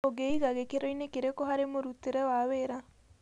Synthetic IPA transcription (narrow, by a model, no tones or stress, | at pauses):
oɡeiɣaɣekeɾoinekeɾekoɦaɾemoɾut̪ːeɾewaweɾa